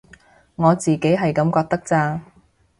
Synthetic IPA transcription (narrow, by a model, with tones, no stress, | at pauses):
ŋɔː˨˧t͡siː˨ke˨˥jɦɐ˨jkɐ˨˧˥mkɔː˧k̚t̪ɐ˥k̚t͡saː˧